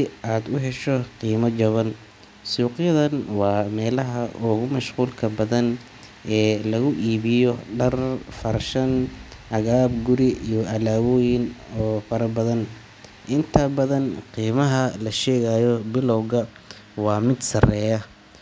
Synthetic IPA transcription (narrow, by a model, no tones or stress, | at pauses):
ʔaːd̪ʊɦɛʃɔqiːmɐt͡ʃɐβɐn | suːqjɐðɐnwɑːmɛːlɐɦɐʔʊɣʊmɐʃquːlkʰɐbɐðɐn | ʔɛːlɐɣʊʔiːβɪjɔɖɐrfɐrʃɐnʕɐɣaːbɡʊɾɪijɔʔɐlaːwɔːjɪnɔːfɐɾɐbɐðɐn | ʔɪnt̪ʰɐbɐðɐnqiːmɐɦɐlɐʃɛːɣajɔbɪlɔwɣɐ | wɑːmɪd̪sɐrɛːjɐ